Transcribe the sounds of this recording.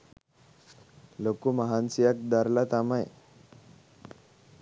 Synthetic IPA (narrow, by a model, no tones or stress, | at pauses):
lokuməɦansijak̚d̪aɾlat̪amaj